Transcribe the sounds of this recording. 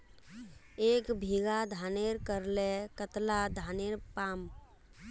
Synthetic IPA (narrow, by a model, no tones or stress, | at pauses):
eːkbʱiɡad̪ʱaːneɾkəɾlekət̪lad̪ʱaːneɾpaːm